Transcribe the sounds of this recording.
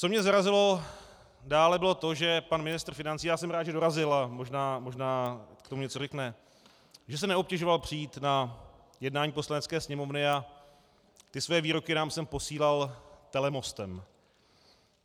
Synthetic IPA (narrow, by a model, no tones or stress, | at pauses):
t͡so̞mɲɛzaɾazɪlo̞ | daːlɛbɪlo̞t̪o̞ʒɛpanmɪnɪst̪r̩fɪnant͡siːjaːsɛmɾaːd̪ʒɛdo̞ɾazɪlamoʒnaːmo̞ʒnaːkt̪omuɲɛt͡sorɛknɛ | ʒɛs̬ɛnɛo̞p̚cɛʒo̞valpr̝̥ɪjiːt̪na | jɛdnaːɲiːpo̞slanɛt͡skɛːsɲɛmo̞vnɪa | t̪ɪsvɛɛviːɾo̞kɪnaːmsɛmpo̞siːlalt̪ɛlɛmo̞st̪ɛm